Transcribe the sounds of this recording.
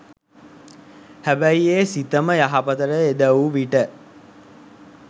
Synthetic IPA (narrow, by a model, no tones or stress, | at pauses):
hæbæjeːsit̪əməjaɦapət̪əɾəed̪əwuʋiʈə